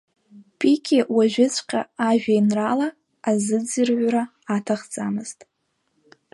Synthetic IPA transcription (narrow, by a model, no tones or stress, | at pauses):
pʰikʰʲewaʒᶣɪt͡sʷʰqʲʰʼa̰aʒᶣajnralaː | zɨd͡zɨrʕʷraː | tʰaχt͡sʼamɨztʼ